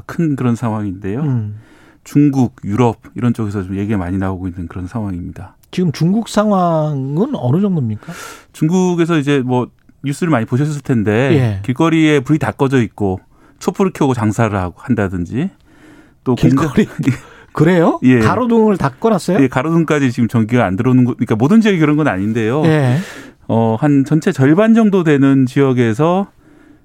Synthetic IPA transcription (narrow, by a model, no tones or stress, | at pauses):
kʰɯnkɯɾʌnsʰaŋɦwaŋinde̞jo | t͡ɕuŋɡuɡ̚juɾʌb̚iɾʌnt͡ɕ͈oɡesʰʌt͡ɕomje̞ɡiemaɲinaoɡoinːɯnkɯɾʌnsʰaŋɦwaŋimɲida | t͡ɕiɡɯmt͡ɕuŋɡuk̚s͈ʰaŋɦwaŋɯnʌnɯd͡ʑʌŋdomɲik͈at͡ɕuŋɡuɡe̞sʰʌid͡ʑe̞mwʌ | ɲus͈ɯɾɯɭmaɲipoɕ̬ʰʌɕʰʌs̬͈ʰɯɭtʰende̞jekiɭk͈ʌɾie̞puɾitak͈ʌd͡ʑʌit̚k͈o | t͡ɕʰopʰuɾɯkʰjʌɡot͡ɕaŋsʰaɾɯɭhaɡohandadɯnd͡ʑi | t͈oke | kɯɾejoje̞kaɾodoŋɯɭtak͈ʌnas͈ʌjoje̞kaɾodoŋk͈ad͡ʑit͡ɕiɡɯmt͡ɕʌŋɡiɡaandɯɾʌnɯnɡʌik͈amodɯnd͡ʑijʌɡekɯɾʌnɡʌna̰ɲinde̞joe | ʌhant͡ɕʌnt͡ɕʰe̞t͡ɕʌɭband͡ʑʌŋdodwe̞nɯnt͡ɕijʌɡe̞s̬ʰʌ